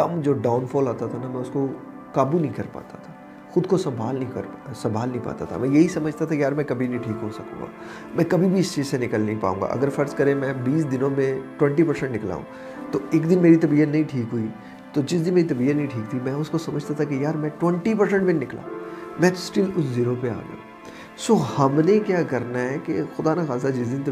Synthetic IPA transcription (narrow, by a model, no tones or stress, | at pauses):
kɐmd͡ʒoːɖaːʊnfɔːlaːt̪at̪ʰanamɛ̃ʊsko | kaːbunɐɦĩkɐɾpa̰ːt̪at̪ʰa | xʊd̪kosɐ̃mbʱaːlnɐɦĩkɐ̰ɾsɐ̃mbʱaːlnə̃ɦĩpa̰ːt̪a̰t̪ʰa̰mɛ̃jɐɦisɐməd͡ʒʱt̪at̪ʰakjaːɾmɛ̃kɐbʱinĩʈʰiːkɦosɐkõ̰ŋɡa̰ː | mɛ̃kɐbʱibʱiɪst͡ʃiːzsenɪkəlnɐɦĩpa̰ːũŋɡa̰ʔɐ̰ɡəɾfɐɾskɐɾẽmɛ̃biːsd̪ɪnõmẽʈwɛ̃ɳʈipɐɾsɛ̃ɳʈnɪkla̰ːṵ̃ː | t̪oeːkd̪ɪnmeːɾit̪ɐbiːət̪nɐɦĩʈʰiːkɦui | t̪od͡ʒɪs̬d̪ɪnmeːɾit̪ɐbiənɐɦĩʈʰiːkt̪ʰimɛ̃ʊskosɐməd͡ʒʱt̪at̪ʰakejaːɾmɛ̃ʈwɛ̃ɳʈipɐɾs̬ɛ̃ɳʈbɪ̃nnɪkla̰ːmɛ̃ːsʈɪlʊsziɪnõpea̰ːɡɐ̰jṵ̃ː | soːhɐmnekjaːkɐɾnaɦɛkexʊd̪aːnaxaːzad͡ʒɪsd̪ɪnt̪